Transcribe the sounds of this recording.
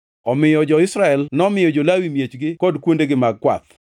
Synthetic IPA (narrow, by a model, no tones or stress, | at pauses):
ɔmɪjɔd͡ʒɔɪsɾaɛlnɔmɪjɔd͡ʒolawimjet͡ʃɡɪkɔdkwondeɡɪmaɡ̚kwa̰t̪